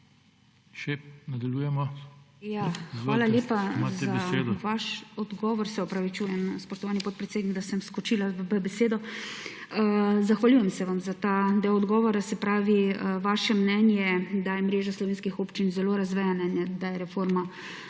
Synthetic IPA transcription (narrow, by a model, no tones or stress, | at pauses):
ʃɛnɐd̪ɐljujɛmɔjaxaːlalʲjeːpaazaed̪ʋaʃɔd̪ɡɔːʋɔɾsɛɔpɾaʋit͡ʃuːjɛmspɔʃt̪ɔʋaːlnipɔt̪pɾɛt̪seːd̪niɡd̪asəmskɔt͡ʃilaʋʋəbɛseːd̪ɔ | əzaxʋalʲjuːjɛmsɛʋamzat̪ad̪ewɔd̪ɡɔːʋɔɾasɛpɾaːʋiəʋaːʃɛmnɛnjɛd̪ajɛmɾeːʒaslɔʋeːnskixoːpt͡ʃinzɛloːɾazʋɛjamnɛnjɛd̪ajɛɾɛfoɾma